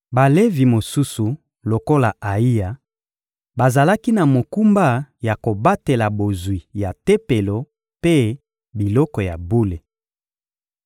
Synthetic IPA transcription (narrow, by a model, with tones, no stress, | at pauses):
ba˨le˦vi˨mo˨su˦su˨ | lo˨ko˦la˨a˨i˦ja˨ | ba˨za˨la˦ki˦na˨mo˨ku˦mba˦ja˨ko˨ba˦te˨la˨bo˨zwi˨ja˨te˦pe˨lo˨ | pe˦ | bi˨lɔ˦kɔ˨ja˨bu˦le˨